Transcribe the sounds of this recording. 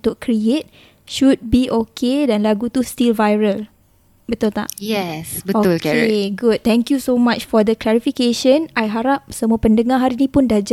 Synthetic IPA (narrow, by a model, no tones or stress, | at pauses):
t̪ʊʔkɾiet̪̚ | ʃud̚biʔokʰedanlaɡut̪ust̪ilvajɾəl | bət̪ult̪a̰ʔjɛsbəolkeɡud̚t̪ɛ̃ŋkjusomat͡ʃfɔd̪əklɛɾifikeʃə̃najɦaɾap̚səmuapəndəŋãɦaɾinĩpʊndad͡ʒ